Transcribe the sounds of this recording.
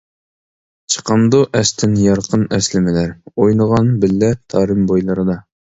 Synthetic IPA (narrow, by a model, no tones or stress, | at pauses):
t͡ʃʰə̥qʰɑmd̪uʔɛst̪ʰɪnjɑɾqʰənɛslɪmɪlæɾojnˠəʁɑnbɪlːɛt̪ʰɑːɾɨmbojlˠɨɾɨd̪ɑ